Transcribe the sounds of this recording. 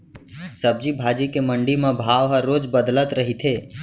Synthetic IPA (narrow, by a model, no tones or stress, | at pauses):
səb̚d͡ʒibʱaːd͡ʒikemə̃ɳɖimẽbʱaːʋɦəɾːoːd͡ʒbəd̪lət̪ɾəɦit̪ʰɦeː